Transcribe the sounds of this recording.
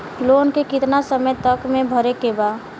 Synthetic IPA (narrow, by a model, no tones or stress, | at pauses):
loːnkekɪt̪nasəməjt̪əkmẽbʱəɾekebaː